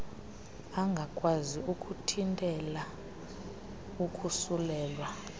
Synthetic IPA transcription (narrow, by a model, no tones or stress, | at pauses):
aŋɡʱakʼwaziukʼutʰintʼɛla | ukʼusulɛːlwa